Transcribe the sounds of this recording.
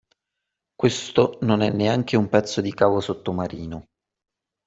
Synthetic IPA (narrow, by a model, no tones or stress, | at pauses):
kwest̪ononɛnːeaŋk̟eumpɛt̪sːod̪ikaːvosot̪ːomaɾiːno